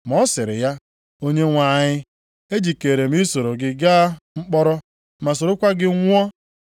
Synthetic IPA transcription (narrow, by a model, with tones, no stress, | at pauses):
m˨ɔ˦sɪ˨ɾɪ̰˨ja˦ | o˦ɲe˦ŋʷa˨ɲɪ˦ | e˦d͡ʒi˨ke˨ɾe˨m̩˦i˦so˨ɾo˨ɡɪ˦ɡaː˦ŋ͡m̩˦k͡pɔ˦ɾɔ˦ | ma˨s̬o˨ɾʊ˦kʷa˦ɡɪ˦ŋʷɔ˦